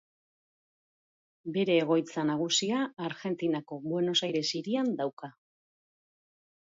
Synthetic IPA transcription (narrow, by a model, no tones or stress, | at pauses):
be̞ɾe̞ːɣ̞o̞jt͡sanaɣ̞usiaːɾɣe̞nt̪inako̞βwe̞no̞sajɾe̞siɾiand̪awka